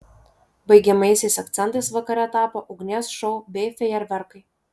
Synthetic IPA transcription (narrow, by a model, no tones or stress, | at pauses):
bɐɪɡʲɛmɐɪsʲɛɪsɐkt̪sʲɛnt̪ɐɪsʋɐkɐɾʲɛt̪ɑːpoʔʊɡnʲeːsʃɔʊbʲɛɪfʲɛjɛɾʲʋʲɛɾkɐɪ